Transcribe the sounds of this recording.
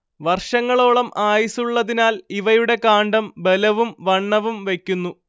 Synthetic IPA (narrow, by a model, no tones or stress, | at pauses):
ʋɐrʂɐŋːɐɭo̞ːɭɐmʔaːjisuɭːɐðinaːliʋɐjuɽe̞kaːɳɖɐmbe̞lɐʋumʋɐɳːɐʋumʋe̞kʲːunːu